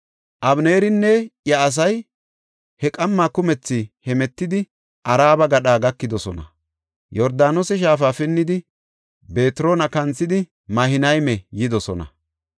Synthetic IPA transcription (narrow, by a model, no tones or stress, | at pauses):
ʔɐbneːɾɪnːɛjɐːs̬ɐj | hɛkʼɐmːaːkʊmɛt͡sːɪhɛmɛt̪ːɪd̪ɪ | ʔɐɾaːbɐɡɐɗaːɡɐkːɪd̪ɔsɔnɐ̰ | jɔɾd̪aːnosɛʃ̬aːfaːfɪnːɪd̪ɪ | be̞ːt̪ɪɾo̞ːnɐkɐnt͡sːɪd̪ɪ | mɐhɪnɐjmɛjɪd̪ɔsɔnɐ̰